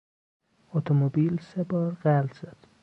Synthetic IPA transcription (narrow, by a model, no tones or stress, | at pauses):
ot̪ʰomobiːlsebɒːɾɢæld̪z̥æd̪̥